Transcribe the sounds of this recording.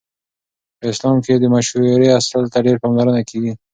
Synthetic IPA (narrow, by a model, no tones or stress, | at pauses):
pəɪslɑmked̪əmaʃɾeasalt̪aɖeɾpɑmlaɾənakeɡi